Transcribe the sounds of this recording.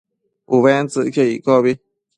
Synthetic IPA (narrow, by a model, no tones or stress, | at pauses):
uβent͡sɨʔkʰeḭkɔβi